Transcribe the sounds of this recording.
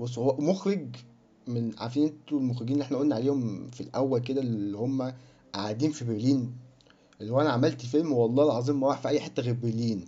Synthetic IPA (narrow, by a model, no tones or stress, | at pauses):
wesˤæʔmoxɾeɡ | menʕa̰ɾfiːnʔent̪olmoxɾeɡinlieħnæʔolnːʕaleːhomfilʔæwːælk̬ed̪ællːihomːæ | ʔaʕad̪iːnfibeɾliːn | ʔlːæhowʔænæʕamælt̪felmwɑlˤːɑːlʕɑzˤiːmːæɾaħfiʔæjːħet̪ːæɣæbeɾliːn